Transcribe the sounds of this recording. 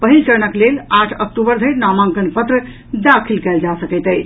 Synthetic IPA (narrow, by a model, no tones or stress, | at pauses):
pəɦilt͡ʃəɾnəklelaʈʰə̰k̚ʈubəɾd̪ʱəjɾnamãŋkənpət̪ɾə | d̪akʰilkɛld͡ʒasəkəjt̪əj